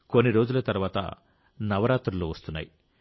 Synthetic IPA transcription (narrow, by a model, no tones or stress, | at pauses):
ko̞nːiɾo̞ːd͡ʒulɐt̪ɐɾuʋaːt̪ɐ̰ | nɐʋɐɾaːt̪ɾɐloːʋɐst̪unːa̰ji